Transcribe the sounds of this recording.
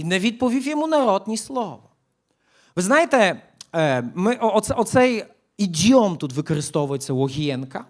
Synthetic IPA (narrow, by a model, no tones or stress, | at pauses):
inɛvʲit̪̚pɔvʲifʲjɛmunaɾɔd̪ɲislɔvɔ | vɨznajt̪ɛ | mɘʔɔɔt̪sɛɔt̪sɛj | id̪ʲjɔmt̪ut̪vɘkɔɾɨst̪ɔvɔjt̪sɛwɔɣʲiɛnka